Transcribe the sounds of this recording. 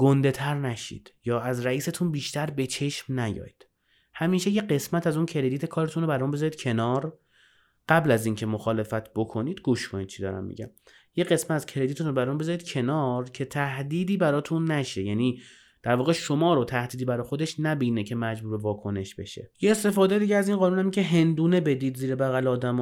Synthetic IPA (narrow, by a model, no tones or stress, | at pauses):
ɡ̥ond̪e̞t̪ʰæɾnæʃḭːd̪̥jɒːæzræiːse̞t̪ʰunbiːʃt̪ʰæɾbe̞t͡ʃʰe̞ʃmnæjɒ̰ːjd̪̥ | hæmiːʃe̞je̞ɢe̞smæt̪ʰæzuncʰe̞ɾe̞d̪iːt̪ʰekʰɒːɾet̪ʰunɾoæɾɔunbe̞zɒːɾiːd̪̚cʰe̞nɒːɾ | ɢ̥æblæziːncʰe̞mo̞xɒːle̞fæt̪ʰb̥o̞kʰo̞niːd̪̥ɡuʃkʰoniːd̪̚t͡ʃʰiːd̪ɒ̰ːɾæ̰mːḭɟæ̰m | je̞ɣe̞smæt̪æzcʰeɾed̪it̪ʰuɾobæɾunbezɒɾid̪̥̚cʰe̞nɒːɾcʰe̞t̪ʰæhd̪iːd̪iːbæɾɒːt̪ʰunːæʃe̞jæniː | d̪̥æɾvɒːɣe̞ʃomɒːɾot̪ʰæhd̪iːd̪iːbæɾɒːxo̞d̪eʃnæbiːnecʰe̞mæd͡ʒbuːɾbevɒːkʰo̞ne̞ʃbe̞ʃe̞̰jeest̪e̞fɒːd̪ejd̪iːɟeæziːnɢɒːnunæmiŋcʰeɦe̞nd̪uːne̞be̞d̪iːd̪ziːɾebæɣæleɒːd̪æmː